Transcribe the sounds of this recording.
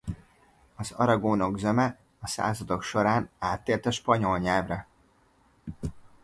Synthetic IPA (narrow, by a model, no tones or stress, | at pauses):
ɒzɒ̰ɾɒɡoːno̞ɡzɛmɛ | ɒsa̰ːzɒd̪o̞kʃo̞ɾaːnaːt̪ːeːlt̪ɒʃpɒɲo̞lɲɛːvrɛ